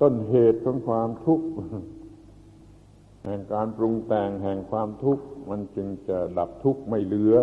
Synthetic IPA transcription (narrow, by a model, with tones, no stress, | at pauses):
t̪o˥˩nɦeː˨˩t̪̚kʰɔː˨˦ŋkʰwaː˧mt̪ʰu˦˥k̚ | hɛː˨˩ŋkaː˧npɾu˧ŋt̪ɛː˨˩ŋɦɛː˨˩ŋkʰwaː˧mt̪ʰu˦˥k̚ma˧nt͡ɕɯ˧ŋt͡ɕa˨˩da˨˩p̚t̪ʰu˦˥k̚ma˥˩jlɯ˩˦ɐ